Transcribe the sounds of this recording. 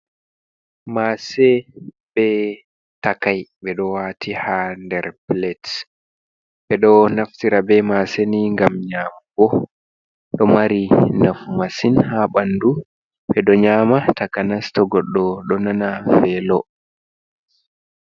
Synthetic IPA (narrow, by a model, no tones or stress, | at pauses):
masɛ | bɛ | takajɓɛɗɔwaːtʰihandɛɾplɛt | ɓɛɗɔnaftiɾabɛmaseniŋɡamɲaːmaɡɔ | ɗɔmaɾinafumasinhaɓanːdu | ɓɛɗɔɲaːmatʰakanastɔɡɔɗːɔɗɔnanafɛlɔ